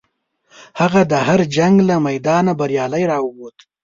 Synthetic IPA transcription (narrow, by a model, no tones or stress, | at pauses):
haɣad̪əhaɾd͡ʒaŋɡlamajd̪ɑnabaɾjɑːlajɾɑwot̪